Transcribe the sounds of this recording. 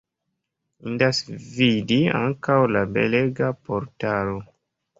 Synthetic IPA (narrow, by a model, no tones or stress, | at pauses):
indasvidia̰ŋkawlabḛleɡapoɾtalo